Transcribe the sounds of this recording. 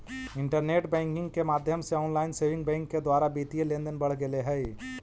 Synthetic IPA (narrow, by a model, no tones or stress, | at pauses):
ɪ̃ɳʈəɾneːʈbɛ̃ːŋkɪ̃ŋɡkemaːd̪ʱjəmseɔːnlaːɪnseːʋɪ̃ŋɡ̚bɛ̃ːŋkːed̪waːɾabiːt̪ielẽːnd̪ənbɐɽ̤ɡeleɦɛj